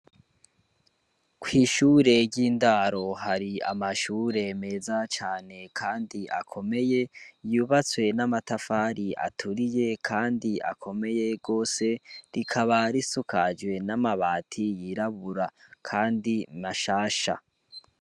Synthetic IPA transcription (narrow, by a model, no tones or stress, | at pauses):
kwiːʃuːɾe̞ɾɟiːndaɾo̞ɦaɾia̰maʃuːɾe̞me̞zat͡ʃaːne̞kʰaːndiʔa̰kʰo̞me̞je̞juːβat͡swe̞namatafaɾiʔa̰tʰuɾije̞kʰaːndiʔa̰kʰo̞me̞je̞ɡo̞ːse̞ɾikʰaβaɾisukʰad͡ʒwe̞namaβaːtʰijiɾaβuɾakʰaːndinaʃaːʃa̰